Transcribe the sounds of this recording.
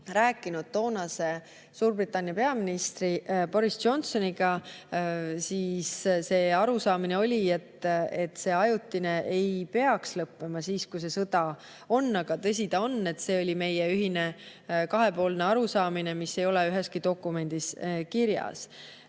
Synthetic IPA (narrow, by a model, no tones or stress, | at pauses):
ɾæːkːˑinud̪̥̚t̪o̞ːnɑse̞ | suːrbrit̪ːˑɑnʲːjɑpe̞ɑminist̪ripo̞ɾisd͡ʒo̞nso̞niɡ̥ɑ | siːsse̞ːɑɾusɑːmineo̞lʲie̞t̪ːe̞t̪ːˑse̞ːɑjut̪ːine̞ʔe̞jpe̞ɑkslɤpːe̞mɑsiːskus̬e̞sɤd̪̥ɑ | o̞nːɑɡ̥ɑt̪ɤs̬ʲid̪ɑo̞nːe̞t̪se̞ːo̞lʲime̞jeyɦine̞ | kɑɦe̞po̞ːlneɑɾusɑːmine̞mise̞jo̞leyɦe̞skid̪o̞kːume̞nʲd̪̥iskiɾjɑ̰s